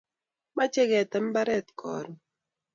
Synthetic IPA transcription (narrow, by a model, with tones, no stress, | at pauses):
ma˦t͡ʃe˦ɣɛ˨tɛ˨m˦ba˦ɾɛ˦˨t̚kʰɔ̰˨ɾ